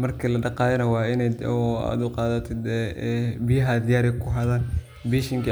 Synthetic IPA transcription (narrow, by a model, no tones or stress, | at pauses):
mɐrkʰilɐɖɑqɑːðɐnɐwɑːɪnɛa̰ːd̪ʊqɑːðɐt̪ʰɪd̪ɛɛbijɐɦɐd̪ɪjaːɾɛkʰʊɦɐðaːn | biːʃɪŋkʰi